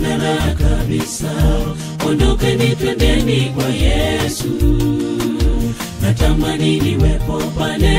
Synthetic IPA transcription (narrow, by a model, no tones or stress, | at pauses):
naɾakabisa | ɔndɔkɛnitwɛndɛnikwajɛsu | natamaniniwɛpɔpanɛ